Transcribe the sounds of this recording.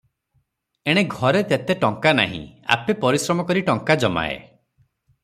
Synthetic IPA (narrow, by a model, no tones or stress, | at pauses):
eɽ̃eɡʱɔɾet̪et̪eʈɔŋkana̰ɦḭ̃a̰pepɔɾisɾɔmɔkɔɾiʈɔŋkad͡ʒɔma̰ḛ